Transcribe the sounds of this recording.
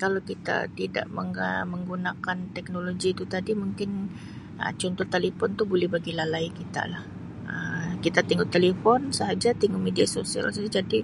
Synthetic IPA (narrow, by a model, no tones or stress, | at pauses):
kalawkit̪a̰t̪ida̰ʔməŋəməŋɡunakant̪ɛk̚noloɡiːt̪ut̪adimuŋkɪn | ə̰t͡ʃɔnt̪ɔht̪elepɔnt̪ubolɛhbaɡilalaikit̪a̰lah | əmkit̪at̪iŋɡʊt̪ːelefɔnsəɦad͡ʒat̪iŋomediasosia̰lsd͡ʒadi